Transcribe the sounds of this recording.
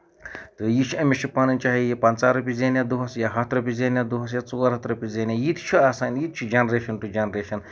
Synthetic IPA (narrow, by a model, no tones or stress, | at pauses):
t̪ɨjit͡ʃʰuɐmit͡ʃʰupɐnɨnʲt͡ʃaːɦijipɐnt͡saːɾupʲizenʲad̪uɦɐsjaɦɐt̪ɾɐpʲizeːnʲjad̪uɦɐs̬jat͡suaɾɦɐt̪ɾɐpʲizeːnʲjajit̪t͡ʃʰuaːsaːnjit̪̚t͡ʃʰud͡ʒɐnɾeːʃɐnʈud͡ʒɐnɾeːʃɐn